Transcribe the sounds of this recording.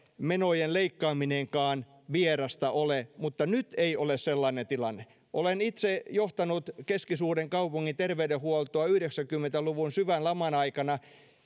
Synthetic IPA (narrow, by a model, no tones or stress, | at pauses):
menojenleikːɑːmineŋkɑːn | ʋierɑst̪ɑʔolemut̪ːɑnyt̪eiolesselːɑnent̪ilɑnːe | ʔolenit̪sejoht̪ɑnut̪keskisuːɾeŋkɑupuŋːint̪erʋeydehuolt̪oɑyhɾeksækymːent̪æluʋunsyʋænlɑmɑnɑikɑnɑ